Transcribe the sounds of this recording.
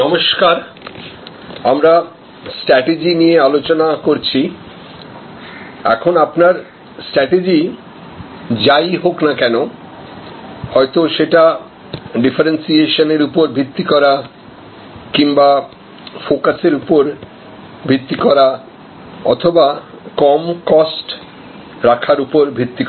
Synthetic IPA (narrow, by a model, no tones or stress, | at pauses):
nɔmoʃkaɾ | amɾa | sʈɾɛʈed͡ʑiniealot͡ɕonakoɾt͡ɕʰi | ɛ̰kʰonapnaɾ | sʈɾɛʈed͡ʑi | d͡ʑajɦoknakɛno | hɔet̪oʃeʈa | ɖifaɾensieʃoneɾupoɾbʱɾit̪ːikɔɾa | kiŋba | fokaseɾupoɾ | bʱit̪ːikɔɾa | ɔt̪ʰoba | kɔmkɔsʈ | ɾakʰaɾupoɾbʱɾit̪ːik